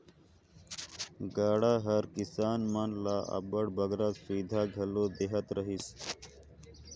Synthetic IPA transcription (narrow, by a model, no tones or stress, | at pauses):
ɡaːɽaːɦɐɾkisaːnmɐnlaːʔɐ̰bɐɽbɐɡɾasiːd̪ʱaːɡʱɐlod̪eɦɐt̪ɾɐɦis